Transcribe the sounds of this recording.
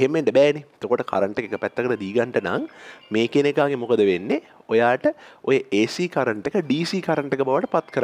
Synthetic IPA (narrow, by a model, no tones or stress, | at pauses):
ɦemʋeɳɖəbɛːneet̪okoʈəkʰa̰ɾəɳʈekekəpɛt̪ːəkəʈəd̪iːɡaɳʈəna̰ŋmeːkenekaːɡemukəd̪əʋenːe | ojaːʈəojəʔeːsikaɾəɳʈekəɖiːsiːkaɾəɳʈekəbaʋəʈəpat̪kəɾ